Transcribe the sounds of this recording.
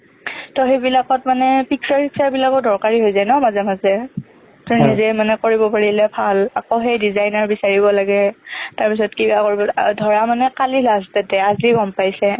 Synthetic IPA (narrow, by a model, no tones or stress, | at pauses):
tɔɦebilakɔtmanɛpiksaɹpiksaɹbilakɔdɔɹkaɹiɦojzajnɔmazɛmazɛ | tuɹnizɛmanɛkoɹibɔpaɹilɛbʰʱalakɔɦejdizajnaɹbisaɹibɔlaɡɛtaɹpisɔtkibakoɹibɔdʱɔɹamanɛkalilastatɛazliɡɔmpajsɛ